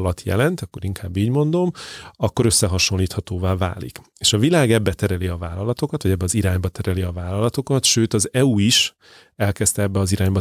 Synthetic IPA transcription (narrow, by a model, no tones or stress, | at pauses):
lɒt̪jɛ̰lɛnt̪ɒkːo̞ɾiŋkʰaːbːiːɟmo̞nd̪o̞mɒkːo̞ɾø̞sːɛɦɒʃo̞liːt̪hɒt̪oːvaːva̰ːlḭk | eːʃɒvilaːɡɛbːɛt̪ɛɾɛliɒvaːlɒlɒt̪o̞kɒt̪ʋɒɟɛbːɛɒziɾaːɲbɒt̪ɛɾɛliɒvaːlɒlɒt̪okɒt̪ʃøːt̪ɒzɛuiʃ | ɛlkɛst̪ɛɛbːɛɒziɾaːɲbɒ